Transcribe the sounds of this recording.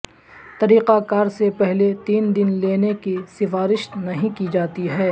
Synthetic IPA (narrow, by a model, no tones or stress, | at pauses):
t̪ɐɾiːqakaːɾsepɛɦlet̪iːnd̪ɪnleːnekisɪfaːɾɪʃnɐɦĩkid͡ʒaːt̪iɦɛː